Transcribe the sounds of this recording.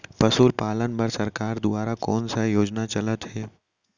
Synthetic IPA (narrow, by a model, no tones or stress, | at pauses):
pɐsuːlpaːlənbɐɾsɐɾkaːɾd̪ʊaːɾakɔːnsajoːd͡ʒnat͡ʃɐlət̪ɦɛː